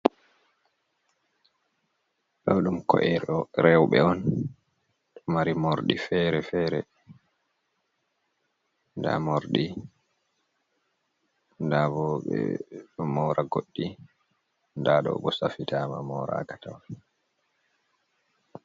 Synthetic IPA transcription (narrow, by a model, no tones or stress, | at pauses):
ɗɔɗumkɔʔɛɾɔɾɛwɓɛɔn | ɗɔmaɾimoɾɗifɛːɾɛfɛːɾɛ | nda̰moɾɗi | ndabɔɓɛ̰ɔmɔːɾʔaɡoɗːi | ndaɗɔɓɔsafitʰama̰mɔːɾa̰ːkḁtaw